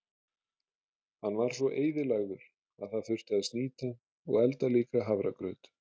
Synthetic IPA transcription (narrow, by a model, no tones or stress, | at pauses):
hanːvaɾ̥svɔʔeːjðɪlaɣðʏɾ̥ | aðθaðθʏ̥t̪aðɪst̪niːt̪a | ɔ̰ɣɛlt̪aliːkaɦavɾakɾœːɥt̪